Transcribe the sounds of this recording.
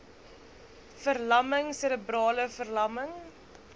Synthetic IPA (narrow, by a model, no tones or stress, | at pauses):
fərlɐməŋsələbrɑːləfərlɐməŋ